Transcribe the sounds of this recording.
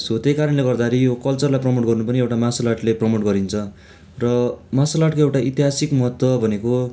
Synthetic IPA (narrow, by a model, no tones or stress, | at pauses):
sot̪ekaɾʌnleɡʌrd̪aɾijokʌlt͡sʌrlajprʌmoʈɡʌrnupʌniewʈamasalaʈleprʌmoʈ̚ɡʌɾint͡sʰʌ | rʌmasalaʈkoewʈait̪iɦasikmʌɦʌt̪wʌbʱʌneko